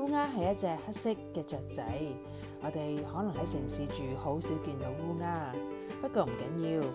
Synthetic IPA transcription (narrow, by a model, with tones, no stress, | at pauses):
uː˥ŋaː˥ɦɐ˨jɐ˥t̚t͡sɛː˧k̚hɐ˥t̚sɪ˥kːɛː˧t͡ʃœː˨k̚t͡sɐ̰˨˥j | ŋɔː˨˧t̪e˨jhɔː˨˥nɐ˨˩ŋhɐ˨˥jsɪ˨˩ŋsiː˨˥t͡ʃyː˨ho˨˥wsiː˨˥wkiː˧nt̪o˨˧˥wwuː˥ŋaː˥pɐ˥t̚kɔː˧m̩˨˩kɐ̰˨˥njiː˧w